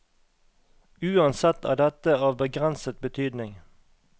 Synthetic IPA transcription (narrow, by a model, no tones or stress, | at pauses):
ʉːɑnsɛt̪æ̰ːɖ̪ɛt̪əɑːʋbəɡʁɛnsət̪̚bət̪ʰyːd̪nɪŋ